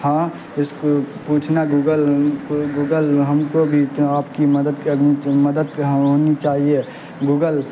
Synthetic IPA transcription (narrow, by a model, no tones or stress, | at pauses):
hãː | ɪskopuːt͡ʃʰnaɡuːɡəlɡuːɡəlɦəmkobʱiaːpkiməd̪əd̪kəniməd̪əd̪ɦɦoːnit͡ʃaːɦie | ɡuːɡəl